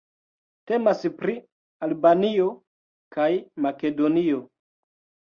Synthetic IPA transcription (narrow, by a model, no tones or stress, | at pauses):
te̞maspɾi | albanio̞ | kajmake̞do̞nio̞